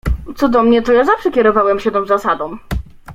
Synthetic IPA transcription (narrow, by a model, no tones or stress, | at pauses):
t̪sɔd̪ɔmɲɛt̪ɔjazafʂɛkʲɛɾɔvawɛmɕɛt̪ɔ̃w̃zasad̪ɔ̃w̃